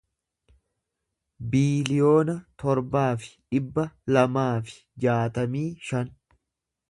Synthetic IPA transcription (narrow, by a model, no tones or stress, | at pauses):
biːlɪjo̞ːnɐt̪ɔɾbaːfɪ̥ᶑɪbːɐlɐmaːfɪ̥d͡ʒaːt̪ɐmiːʃɐn